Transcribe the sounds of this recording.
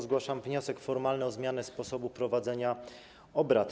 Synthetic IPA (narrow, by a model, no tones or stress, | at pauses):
zɡwaʂamvɲɔsɛkfɔɾmalnɛɔzmʲjanɛspɔsɔbupɾɔvad̪zɛɲa | ɔbɾat̪